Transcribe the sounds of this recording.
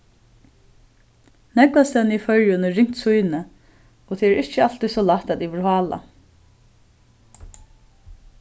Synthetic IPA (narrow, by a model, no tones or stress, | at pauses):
nɛkvast̪ɛnəifœɹjʊnɛɹɪŋ̥t̪sujnə | ɔt̪ʰɛːɛɾʔɪht͡ʃəal̥t̪isɔlaht̪ad̪iʋɪɾɦɑːla̰